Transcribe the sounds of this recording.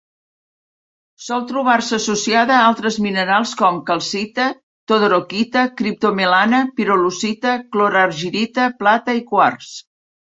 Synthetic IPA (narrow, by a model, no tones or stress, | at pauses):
sɔlˠt̪ɾuβ̞arsəːsusiaðəalˠt̪ɾəzminəɾalˠskɔmkəlˠsit̪ə | t̪oðoɾokit̪əkɾip̚t̪omelanəpiɾolusit̪əkloɾarʒiɾit̪əplat̪əikwars